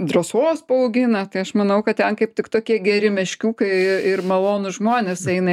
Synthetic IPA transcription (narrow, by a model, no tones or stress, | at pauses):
d̪roːsoːspɐɐʊɡʲɪnɐt̪ɐɪɐʃmɐnɐʊkɐt̪̚t̪ʲɛnkɐɪp̚t̪ʲɪkt̪oːkʲiɛɡʲɛɾʲɪmʲɛʃʲkʲuːkɐɪɪɪrmɐlˠoːnʊʒmoːnʲeːsɛɪnɐ